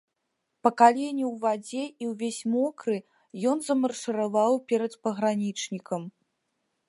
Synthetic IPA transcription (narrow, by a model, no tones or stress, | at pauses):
pɐkalʲenʲiwvad͡zʲɛiwvʲesʲmɔkɾɨ | jɔnzɐmɐrʂɨɾavawpʲɛɾɐt̪pɐɣɾanʲit͡ʂnʲikɐm